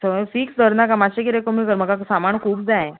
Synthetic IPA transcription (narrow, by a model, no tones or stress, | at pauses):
səfʰiːksd̪əɾnakamaɕekiɾekəmikəɾməɡasamaɳkʰuːpd͡zaẽ